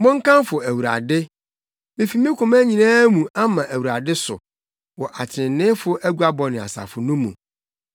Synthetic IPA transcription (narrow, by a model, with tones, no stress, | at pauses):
mʊ̃˦ŋ̩˦kã˦mfʊ˨æ˨wu˨ɾa̰˨dɪ˦ | mĩ˦fi˨mĩ˦kʰʊ̃˨mæ˦ɲĩ˨nãː˦mũ˨a˦mã˨ʔæ˨wu˨ɾa˨dɪ˦sʊ̰˨ | wɔ˨ʔa˨t͡ɕʰɪ̃˨nːɪ̃˦fʊ˦ʔæ˦ɡu˦a˦bɔ˨nɪ̃˨a̰˨sa̰˨fʊ˨nũ˦mːṵ̃˨